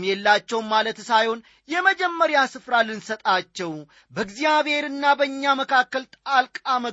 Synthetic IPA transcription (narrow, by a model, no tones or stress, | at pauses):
jɛlːat͡ʃːɛwmalət̪sajho̞n | jɛməd͡ʒɛmːəɾjasɨfɾalɨnsət̪ʼat͡ʃːɛw | bəɨɡzjaβhe̞ɾɨnːabəɲːaməkʰakːəlt̪ʼalkʼamə